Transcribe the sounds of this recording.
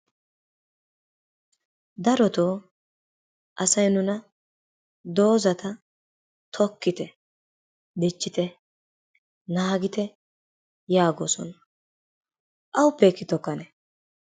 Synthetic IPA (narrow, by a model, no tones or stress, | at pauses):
d̪ɐɾɔt̪oː | ʔɐsɐjnʊnɐ | d̪o̞ːzɐt̪ɐ | t̪ʰɔkːɪt̪ɛ | d̪ɛt͡ʃːɪt̪ɛ | naːɡɪt̪ɛ | jaːɡo̰ːsɔ̰nɐ | ʔɐwʊpːɛkːɪt̪ɔkːɐnɛ